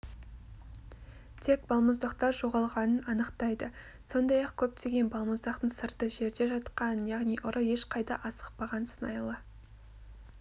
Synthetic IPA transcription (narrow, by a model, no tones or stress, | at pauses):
t̪ʰe̞k̚bɑlˠməzd̪ɑqt̪ɑɾʒo̞ʁɑlˠʁɑnənɑnəqt̪ɑjd̪ə | so̞nd̪ɑjɑqkʲʰɵp̚t̪ʰe̞ɡʲe̞nbɑlˠməzd̪ɑqt̪əɴsəɾt̪əʒe̞ɾd̪e̞ʒɑt̪qɑnjɑʁnijʔʊɾʔəje̞ʃqʰɑjd̪ɑʔɑsə̥qpɑʁɑnsənɑjlˠə